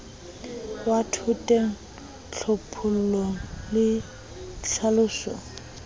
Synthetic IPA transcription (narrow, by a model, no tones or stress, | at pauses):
watʰʊtʼɛ | t͡ɬʰopʰʊl̩lolɪ | ɬʰalʊːsɔ̰